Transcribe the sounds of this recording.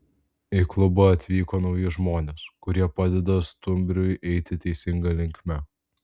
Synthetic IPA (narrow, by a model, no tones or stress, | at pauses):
ɪklˠʊboɐt̪ʲʋʲiːkoːnɒʊjʊʒmoːnʲeskʊɾʲiɛpɑːd̪ʲɛd̪ɐst̪ʊmʲbʲɾʲʊjʔɛɪt̪ʲɪt̪ʲɛɪsʲɪŋɡɐlʲɪŋʲkʲmʲɛ